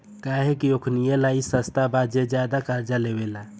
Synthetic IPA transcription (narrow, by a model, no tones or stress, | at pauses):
kaɦekiokʰnijelaisəst̪abad͡ʒed͡ʒjad̪akaɾd͡ʒalebela